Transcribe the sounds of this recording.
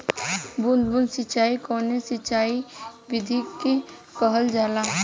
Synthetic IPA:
bʊnd̪bʊnsɪt͡ʃaːikɔːnesɪt͡ʃaːiʋɪd̪ʱikːe | pəɦəld͡ʒaːla

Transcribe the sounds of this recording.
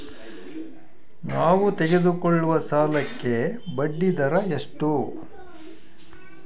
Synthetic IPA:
naːʋut̪eɡe̞d̪ukoɭːuʋɐsaːlɐkːe̞ | bɐɖːid̪ɐɾɐeʂʈu

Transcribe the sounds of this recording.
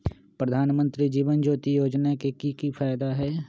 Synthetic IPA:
pɾəd̪ʱaːnmə̃nt̪ɾid͡ʒiːʋənd͡ʒoːt̪ijoːd͡ʒnakekikipʰaːjd̪aɦɛː

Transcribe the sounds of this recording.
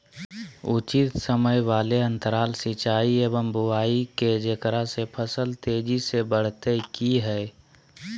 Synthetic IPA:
ʊt͡ʃit̪səməjʋaːleə̃nt̪əɾaːlsit͡ʃaːieːʋəmbʊaːiked͡ʒekəɾasepʰəsəlt̪eːd͡ʒisebəɽ̤t̪ekiɦɛː

